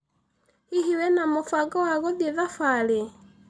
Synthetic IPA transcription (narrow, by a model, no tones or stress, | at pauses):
iɦiwɛnamufwaɡawaɣɔðeðafwale